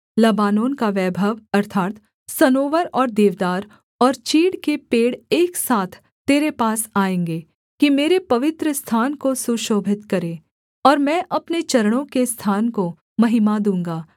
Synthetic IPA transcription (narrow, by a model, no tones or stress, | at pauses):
lɐbaːnoːnkaʋɛːbʱəʋɐɾt̪ʰaːt̪ | sɐnoːʋəɾɔːɾd̪eːʋd̪aːɾ | ɔːɾt͡ʃiːɽkepeːɽeːksaːt̪ʰ | t̪eːɾepaːsaːẽːŋɡeː | kimeːɾepɐʋɪt̪ɾəst̪ʰaːnkosuʃoːbʱɪt̪kɐɾẽː | ɔːɾmɛ̃ʔɐpnet͡ʃɐɾəɽ̃õkest̪ʰaːnko | mɐɦɪmad̪ũːŋɡaː